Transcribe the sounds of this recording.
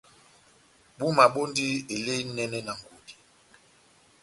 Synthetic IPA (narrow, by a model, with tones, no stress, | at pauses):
ɓu˦ma˨ɓo˦ndi˦e˨le˦nɛ˦nɛ˦na˨ŋ˨ɡu˨di˨